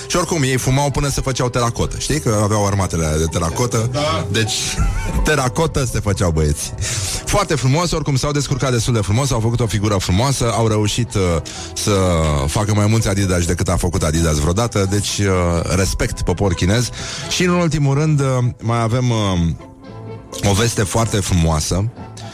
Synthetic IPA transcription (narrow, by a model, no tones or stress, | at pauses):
ʃio̞rkumje̞jfumawpɨnəsəfət͡ʃawt̪eɾako̞t̪əʃt̪ijkəaveawarmat̪e̞led̪e̞t̪eɾako̞t̪əd̪e̞t͡ʃʲt̪e̞ɾako̞t̪əse̞fət͡ʃawbəe̞t̪si̥foart̪e̞fɾumo̞so̞rkumsawd̪eskurkat̪̚d̪est̪uld̪e̞fɾumo̞səawfəkut̪o̞fiɡuɾəfɾumoasəawɾe̞uʃit̪ | səfakəmajmult̪sʲad̪id̪aʃ̬d̪e̞kɨt̪afəkut̪ad̪id̪azvɾeo̞d̪at̪əd̪e̞t͡ʃʲre̞spe̞k̚t̪po̞po̞rkʲine̞zʃiɨnunult̪imuɾɨnd̪majave̞m | o̞ve̞st̪e̞foart̪e̞fɾumoasə